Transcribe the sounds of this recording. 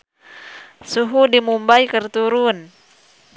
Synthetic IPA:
suɦudimumbajkərt̪uɾun

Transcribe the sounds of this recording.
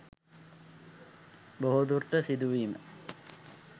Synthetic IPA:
boɦud̪urʈːəsid̪uʋiːmə̰

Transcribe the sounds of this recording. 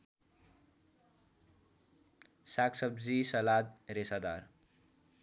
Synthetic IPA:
saksʌbd͡zisʌlad̪̚ɾesad̪a̰ɾ

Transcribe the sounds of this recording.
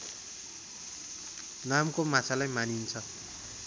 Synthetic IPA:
namkomat͡sʰalajmanint͡sʰʌ

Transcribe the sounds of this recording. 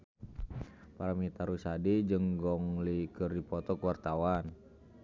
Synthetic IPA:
paɾamit̪aɾusadid͡ʒəŋɡɔŋlikərdipɔt̪ɔkəwart̪awan

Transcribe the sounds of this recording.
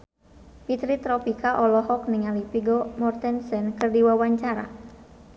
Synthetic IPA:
pit̪ɾit̪ɾɔpikaʔɔlɔɦɔk̚niŋalipiɡɔmɔrt̪ɛnsɛnkɨrdiwawaɲt͡ʃaɾa̰

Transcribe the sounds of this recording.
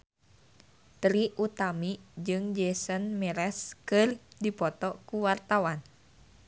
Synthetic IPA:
t̪ɾiʔut̪amid͡ʒɨŋd͡ʒɛsənmiɾɛskɨrdipɔt̪ɔkuwart̪awan

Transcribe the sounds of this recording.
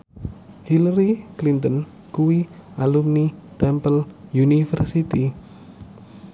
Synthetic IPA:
hilaɾiklint̪ən | kuwialumnit̪ɛmpəljunifərsit̪i

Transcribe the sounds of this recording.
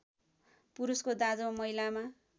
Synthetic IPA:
puɾuskod̪ad͡zomʌilama

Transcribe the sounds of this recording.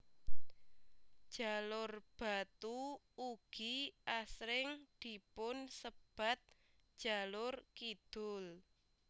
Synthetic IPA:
d̥ʒ̥a̤lʊrb̥a̤t̪u | uɡ̥iʔasɾɪŋd̪̥i̤pʊnsəb̥a̤t̪̚ | d̥ʒ̥a̤lʊrkid̪̥ʊl

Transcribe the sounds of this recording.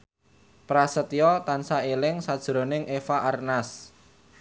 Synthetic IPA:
pɾasət̪iɔt̪ansaelɪŋsad̥ʒ̥ɾo̤nɪŋʔefaʔarnas

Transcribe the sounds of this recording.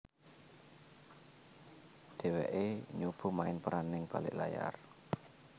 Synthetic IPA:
d̪̥ɛ̤wɛʔeɲub̥ṳmaɪnpəɾanɪŋb̥alɪ̰ʔlaja̰r

